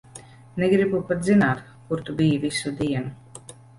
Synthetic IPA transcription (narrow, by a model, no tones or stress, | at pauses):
neɡɾibupat̪zinaːt̪ | kuɾt̪ubijivisud̪iɛnu